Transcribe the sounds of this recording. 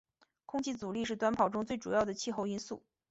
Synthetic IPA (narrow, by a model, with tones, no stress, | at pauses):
kʰʊ˥ŋt͡ɕʰi˧˥t͡su˨˩li˥˧ʂɻ̩˥˩t̪wa˥npʰɑ˨˩ʊʈ͡ʂʊ˥ŋt͡swe˥˩ɪʈ͡ʂu˨˩jɑ˥˩ʊd̪ə˩t͡ɕʰi˥˧xo˥˧ʊi˥nsu˥˩